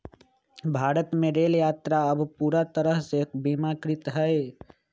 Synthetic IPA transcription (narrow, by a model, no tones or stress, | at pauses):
bʱaːɾət̪meɾeljat̪ɾaəbpuɾat̪əɾəɦsekbimakɾit̪ɦəj